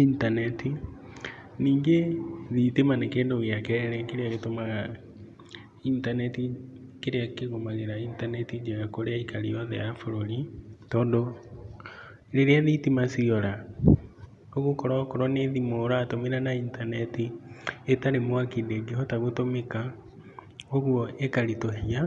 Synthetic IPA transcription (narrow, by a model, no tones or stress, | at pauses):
intanɛti | niːŋɡeðitemanekeːndoɣiakɛɾɛɾɛkeɾeaɣetomaɣa | intanɛtikeɾeakeɣomaɣeɾaintanɛtid͡ʒaɣakoɾeaikaɾiɔðɛ̰jafoɾoɾitɔːndo | ɾeɾeaðitimasiɔɾa | oɣokɔɾakoɾɔneðimoːɾaːtomeɾanaintanɛtietaɾemwakindeɡeɦɔtaɣotomeka | oɣuɔekaɾitohia